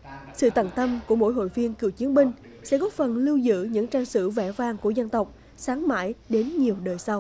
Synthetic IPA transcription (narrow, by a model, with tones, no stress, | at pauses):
sɨ̰˧˨t̪aː˧˩ŋt̪ə˧mku˧˩əmo̰˧˥jɦo̰˧˨jvi˧ənkɨ˧˩wt͡ɕi˨˦ənmï˧ŋ̟ | sɛ̰˧˥kɔ˨˦fə˨˩nlɨ˧wzɨ̰˧˥ɲɨ̰˧˥ŋt͡ɕaː˧ŋsɨ̰˧˥vɛ˧˩vaː˧ŋku˧˩əzə˧nt̪ə˨˩wk͡p̚ | saː˨˦ŋma̰ː˧˥jɗe˨˦nɲi˨˩əwɗəː˨˩jsa˧w